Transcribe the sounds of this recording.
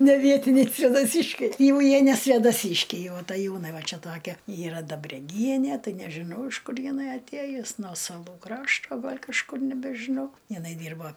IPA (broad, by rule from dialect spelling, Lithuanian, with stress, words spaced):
nʲɛˈʋʲiɛtʲɪnʲɛɪ sʲʋʲeːdɐˈsʲiːʃʲkʲɛɪ ˈjɛʊ ˈjiɛ nʲɛ sʲʋʲeːdɐˈsʲiːʃʲkʲɛɪ jɛʊ ɐtɐˈjuːnɐɪ ˈʋɐ ˈt͡ʃʲɛ ˈtoːkʲɛ ˈiːrɐ dɐbʲrʲɛˈɡʲiɛnʲiɛ ˈtɐɪ nʲɛʒʲɪˈnɐʊ ɪʃ ˈkʊr jɪˈnɐɪ ɐtʲˈeːjʊs nuɔ sɐˈlˠuː ˈkrɑːʃtoː ˈɡɐlʲ kɐʃˈkʊr nʲɛbʲɛʒʲɪˈnɐʊ jɪˈnɐɪ ˈdʲiːrbɐ